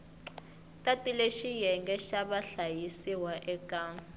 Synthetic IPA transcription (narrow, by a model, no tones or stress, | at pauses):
tʼatʼileʃijɛŋɡɛʃaɓaɬajisiwaʔɛkʼaːŋ